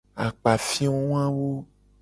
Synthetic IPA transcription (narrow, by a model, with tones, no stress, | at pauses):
a̰˨k͡pa˨fĩ˦wo˦w̃ã˦wo˦